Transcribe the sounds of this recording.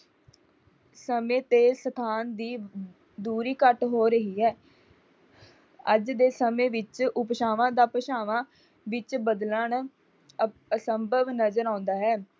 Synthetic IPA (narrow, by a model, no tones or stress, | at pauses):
səmẽːt̪eːsət̪ʰaːnd̪iː | d̪uːɾiːkəʈɦoːɾəɦiːɦɛː | əd͡ʒd̪eːsəmẽːʋɪt͡ʃʊpʃaːʋãːd̪aːpəʃaːʋãː | ʋɪt͡ʃbəd̪lən | səmbəʋnəzəɾãːʊ̃nd̪aːɦɛː